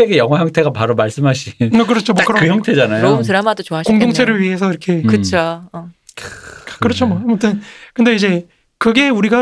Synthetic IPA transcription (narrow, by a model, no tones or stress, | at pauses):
eɡejʌŋɦwajʌŋtʰe̞ɡapaɾomaɭs͈ɯmɦaɕʰiʌkɯɾʌt͡ɕʰomokʰɯɾʌkɯjʌŋtʰe̞d͡ʑanajoomtɯɾamadot͡ɕoaɕkoŋdoŋt͡ɕʰeɾɯɭɥiɦe̞s̬ʰʌiɾʌkʰe̞kɯt͡ɕʰoʌ | kkɯɾʌt͡ɕʰomaamʌt͈ʌnkɯnde̞id͡ʑe̞ | kɯɡe̞uɾiɡa